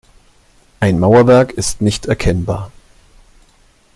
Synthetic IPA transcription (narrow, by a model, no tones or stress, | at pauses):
ʔaɪnmaʊɐvɛɐkɪstnɪçtɛɐkʰɛnba̰ːɐ